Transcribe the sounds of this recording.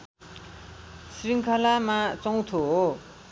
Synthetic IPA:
sɾiŋkʰalamat͡soŋt̪ʰoɦo

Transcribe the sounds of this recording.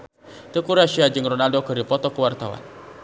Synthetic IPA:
t̪əkuɾaʃiad͡ʒɨŋrɔnaldokəɾipɔt̪ɔkəwart̪awa̰n

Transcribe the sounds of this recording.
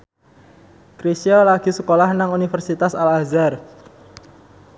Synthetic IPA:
kɾisiolaɡ̥i̤səkolahnaŋunifərsit̪asalazar

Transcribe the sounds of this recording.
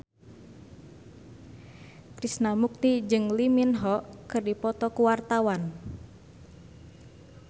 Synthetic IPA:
kɾisnamuk̚t̪id͡ʒɨŋliminɦɔkɨrdipɔt̪ɔkuwart̪awan

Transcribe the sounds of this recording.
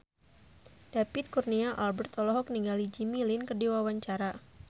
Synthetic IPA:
d̥apɪt̪̚kurniaʔalbɛrt̪ɔlɔɦɔk̚niŋɡalid͡ʒimilɪnkərdiwawaɲt͡ʃaɾa

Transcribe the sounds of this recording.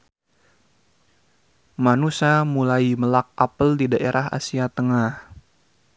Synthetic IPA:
manusamulajməlak̚apəldidaʔeɾʔaɦa̰siat̪əŋah

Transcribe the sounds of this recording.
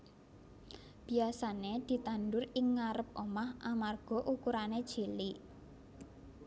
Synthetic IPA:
b̥i̤asaned̪̥i̤t̪anɖʊrɪŋːaɾəp̚omahʔamarɡ̥ɔ̤ʔukuɾaned̥ʒ̥e̤liʔ

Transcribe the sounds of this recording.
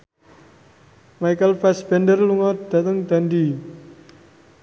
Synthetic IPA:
majkəlpɛsbɛndərluŋɔd̪̥a̤t̪əŋd̪̥andi

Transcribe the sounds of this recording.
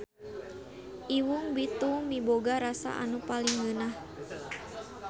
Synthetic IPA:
ʔiwuŋbit̪umiboɡaɾasa̰ʔa̰nupaliŋɡənah

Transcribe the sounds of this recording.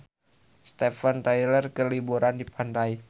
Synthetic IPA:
st̪ɛfant̪ajlərkəlibuɾandipandai

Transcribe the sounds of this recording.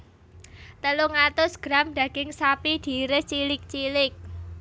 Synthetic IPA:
t̪əluŋat̪ʊsɡ̥ɾamɖ̥ä̤ɡ̥ɪŋsapid̪̥i̤ɾɪst͡ʃilɪk̚t͡ʃilɪk̚

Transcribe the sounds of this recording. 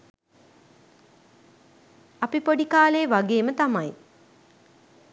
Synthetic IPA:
apipoɖikaːleːʋaɡeːmət̪amaj

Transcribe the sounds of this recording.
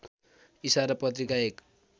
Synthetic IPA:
isaɾʌpʌt̪̬ɾikaek

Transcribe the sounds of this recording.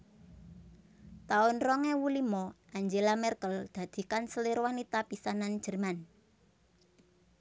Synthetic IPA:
t̪aʊnrɔŋɛwulimɔʔaɲd͡ʒelamɛrkəld̪̥ä̤d̪̥i̤kansəliɾwanit̪apisanan̥d͡ʒ̥ə̤rman

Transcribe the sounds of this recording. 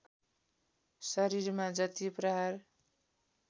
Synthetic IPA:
sʌɾiɾmad͡zʌt̪iprʌɦar

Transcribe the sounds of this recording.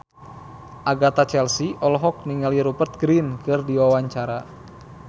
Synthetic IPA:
ʔaɡat̪at͡ʃɛlsiʔɔlɔɦɔk̚niŋaliɾupərt̪̚ɡɾinkɨrdiwawaɲt͡ʃaɾa

